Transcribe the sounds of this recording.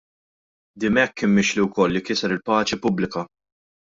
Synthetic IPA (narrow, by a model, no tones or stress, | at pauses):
d̪ɪmɛkːɪmːɪʃliwkɔlːikɪsɛɾɪlpɐːt͡ʃipʊblɪkɐ